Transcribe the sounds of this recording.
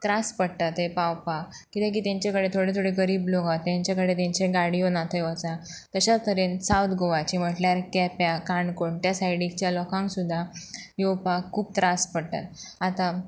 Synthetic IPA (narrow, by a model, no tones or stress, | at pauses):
t̪ɾaspəɽʈ̪at̪ɦepawpak | kːit̪ẽk̬iːt̪jãɲt͡ɕakəɽet̪ʰoɽet̪ʰoɽeɡəɾiːbloɡat̪ːjaɲt͡ɕjakəɽet̪jãɲt͡ɕeɡaɽijonat̪ʰəjʋət͡sa | t̪əɕat͡st̪əɾensawt̪ɡoʋat͡ɕim̤əʈljaɾkɛpjakaɳɖkoɳʈjasajɽikt͡ɕjalɔkãŋksud̪ʱːajowpakʰːuːb̚t̪ɾaspəɽt̪a̰t̪at̪a